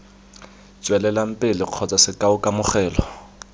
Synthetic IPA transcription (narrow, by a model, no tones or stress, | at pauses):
t͡ʃʼwɛlɛlam̩pʼɪlɪq͡χʰɔt͡sʼasɪkʼaʊkʼamʊχɛːlɔ